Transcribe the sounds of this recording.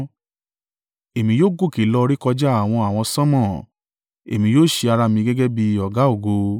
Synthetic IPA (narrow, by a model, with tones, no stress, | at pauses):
e˨mĩ˧joː˦ɡo˦˨ke˨˦lɔ˧ɾi˦kɔ˧d͡ʒa˦a˨w̃ɔ̃˧a˨w̃ɔ̃˧sɔ̃˦mɔ̃˦˨ | ḛ˨mĩ˧˦joː˦˨ʃe˧a˧ɾa˧mĩ˧ɡɛ˦ɡɛ˦bi˧ɔ˨ɡa˨˦o˦˨ɡo˧